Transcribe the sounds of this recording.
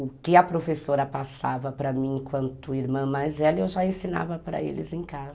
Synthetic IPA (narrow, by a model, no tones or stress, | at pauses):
ʊkɪɐpɾofesoɾɐpasavɐpɾɐmĩẽkwɐ̃nt̪ʊiɾmɐ̃majzɛlewʒaẽsina̰vɐpɾɐ̰ḛlɪ̰zẽkazɐ